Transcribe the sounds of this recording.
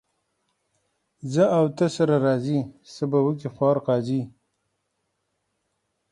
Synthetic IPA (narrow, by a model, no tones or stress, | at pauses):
zəawt̪əsaɾaɾɑːzisəbawək̬ixwɑːɾqɑːzi